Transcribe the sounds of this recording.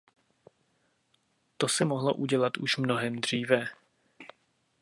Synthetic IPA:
t̪o̞sɛmoɦlo̰ʔuɟɛlat̪uʃmno̞ɦɛmd̪r̝iːvɛ

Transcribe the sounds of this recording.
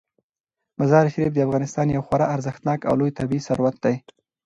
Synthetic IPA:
mazɑɾʃɾif̚d̪əafɣɑnɪst̪ɑnjawxwaɾɑʔaɾzəxt̪nɑka̰wlojt̪abiisaɾwat̪̚d̪aj

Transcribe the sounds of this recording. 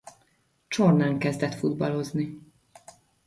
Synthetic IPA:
t͡ʃornaːŋkɛzd̪ɛt̪fud̪bɒlo̞zni

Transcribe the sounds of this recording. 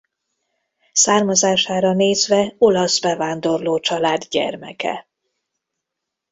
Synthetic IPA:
saːrmɒzaːʃaːɾɒneːzvɛo̞lɒzbɛvaːnd̪o̞rloːt͡ʃɒlaːd̪ɟɛ̰rmɛ̰kɛ̰

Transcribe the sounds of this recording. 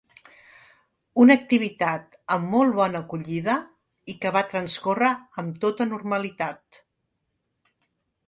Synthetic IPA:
unək̚t̪iβ̞it̪at̪ | əmːolˠβɔnəːkuʎiðə | ikəβat̪ɾənskorəːmt̪ot̪ənurməlit̪at̪̚

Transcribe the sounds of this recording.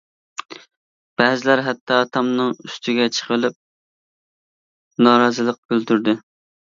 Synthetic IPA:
b̥ɛzɪlæɾɦɛt̪ʰːɑt̪ʰɑmnɨŋyst̪ʰɪɡʲɛt͡ʃʰə̥qʰəlˠɪp̚ | nɑːɾɑːzɨlˠəq̚byld̪yɾd̪ɪ

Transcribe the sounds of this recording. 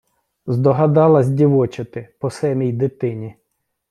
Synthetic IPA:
zd̪ɔɦɐd̪ɑlˠɐzʲdʲiʋɔt͡ʃɐt̪ɪpɔsɛnijd̪ɪt̪ɪnʲi

